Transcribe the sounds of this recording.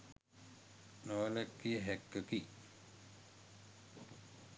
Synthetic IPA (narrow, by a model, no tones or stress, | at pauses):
noːlɛkːijəɦɛkːəki